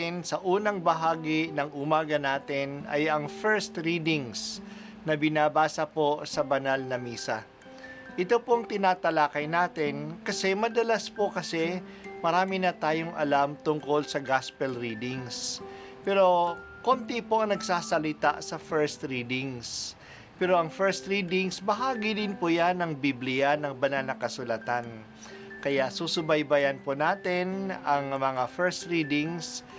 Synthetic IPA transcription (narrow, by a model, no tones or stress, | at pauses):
ɪnsɐʔuːnɐŋbɐɦaːɡɪnɐŋʔʊmaːɡɐnaːt̪ɪnɐ̰jɐŋfɛɹst̪ɾiːd̪ɪŋs | nɐbɪnaːbaːsɐpo̞sɐbɐnalnɐmiːsɐ | ʔɪt̪o̞poɐŋt̪ɪnaːt̪ɐlaːkɐjnaːt̪ɪnkɐsɛmɐd̪ɐlɐspokɐsɛ | mɐɾaːmɪnɐt̪aːjoŋʔɐ̰lamt̪ʊŋko̞lsɐɡaspɛlɾiːd̪ɪŋs | pɛːɾo̞ | kont̪ɪpoʔɐŋnɐɡsaːsɐlɪt̪a̰ʔsɐfɛɹst̪ɾiːd̪ɪŋs | pɛːɾoʔɐŋfɛɹst̪ɾiːd̪ɪŋsbɐɦaːɡɪd̪ɪnpʊjanɐŋbiblɪjanɐŋbɐnalnɐkɐsʊlat̪an | kɐjaʔsusʊbɐjbɐjɐnponaːt̪ɛnɐŋmɐŋafɛɹst̪ɾiːd̪ɪŋs